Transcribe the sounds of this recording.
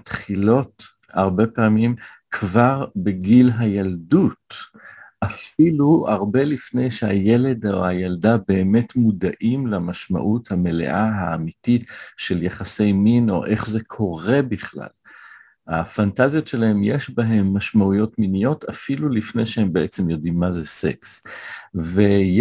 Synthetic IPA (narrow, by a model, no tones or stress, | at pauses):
atχilo̞t | aʁbe̞paːmim | kʰvaʁbeɡilɦajaldut | ʔafilua̰ʁbe̞lifne̞jʃehaje̞le̞d̪oajaldabe̞ːme̞tmudaʔimlamaʃma̰ʔuthame̞le̞̰ʔaɦaːmititʃe̞ljaχase̞jmino̞̰ʔe̞χzekʰo̞ʁe̞biχla̰l | afantazjo̞tʃelaɦe̞mjeʃbaɦemːaʃmaujo̞tminijo̞tʰafilulifnejʃehembeʔet͡se̞mjo̞dimːazesḛks | vej